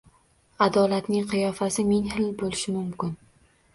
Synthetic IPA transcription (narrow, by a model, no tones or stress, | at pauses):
ad̪ɒlat̪nɪŋqʰɨjɒfasɪmeŋhɪlbolɪʃɪmʊmkʲɪn